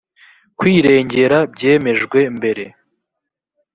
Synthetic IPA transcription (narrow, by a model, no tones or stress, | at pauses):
kwiːɾe̞ːɲɟe̞ɾabɟe̞ːme̞ʒɡwe̞mbe̞ɾe̞